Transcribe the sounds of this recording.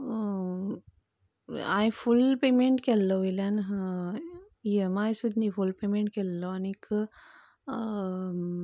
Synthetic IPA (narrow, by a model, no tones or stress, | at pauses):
ajfulpeːmeɳʈkelːoilan | iemajsud̪nifulpeːmeɳʈ̚kelːoɐnik